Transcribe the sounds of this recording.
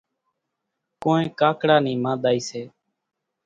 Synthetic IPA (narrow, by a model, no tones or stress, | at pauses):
koːnẽːkaːkɽaːniːmãːɗ̪aːiːseː